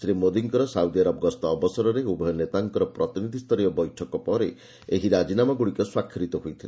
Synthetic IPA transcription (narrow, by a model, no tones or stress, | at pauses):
sɾimod̪iŋkɔɾɔsawd̪iaɾɔbɔɡɔst̪ɔːbɔsɔɾɔɾeubʱɔjɔnet̪aŋkɔɾɔpɾɔt̪inid̪ʱist̪ʰɔɾijɔbɔjʈʰɔkɔpɔɾe | eɦiɾad͡ʒinamaɡuɽikɔswakʰːɾit̪ɔɦojt̪ʰile